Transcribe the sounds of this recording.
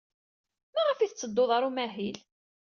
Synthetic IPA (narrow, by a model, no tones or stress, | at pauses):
mæʁəfiθət͡sːəd̪ːoðˤɑɾˤumæɦil